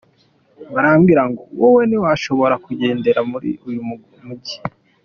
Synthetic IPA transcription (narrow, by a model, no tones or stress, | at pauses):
baɾaːmɡiɾaŋɡowoweniwaʃo̞βo̞ɾakuɟe̞ːnde̞ɾamuɾḭujumu | muɟi